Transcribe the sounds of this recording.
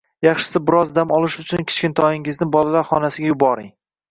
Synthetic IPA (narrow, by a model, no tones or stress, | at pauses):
jɑχʃɪ̥sɪbɪɾɒzd̪amɒlˠɪʃʊt͡ʃʰʊnkʲʰɪ̥t͡ʃkʲɪnt̪ʰɒjɪŋɪznɪbɒlalaɾχɒnasɪɡʲajʊbɒɾɪŋ